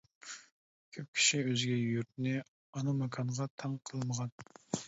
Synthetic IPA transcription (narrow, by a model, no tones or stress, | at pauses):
kʲʰøp̚kʲʰi̥ʃiøzɡʲɛyɾt̪̚nɪ | ɑnɑmɑkʰɑɴʁɑt̪ʰɑŋqʰəlˠməʁɑn